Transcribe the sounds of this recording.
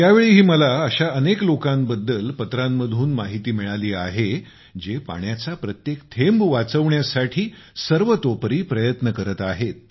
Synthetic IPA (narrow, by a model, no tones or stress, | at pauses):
jaʋeɭiːɦiːməlaəɕaəneklokambəd̪ːəlpət̪ɾamːəd̪ʱuːnmaɦit̪iːmiɭaliːaɦe | d͡ʑepa̰ɳjat͡sapɾət̪jekt̪ʰembʋat͡səʋɳjasaʈʰiː | səɾʋət̪opɾiːpɾəjət̪nəkəɾət̪aɦet̪̚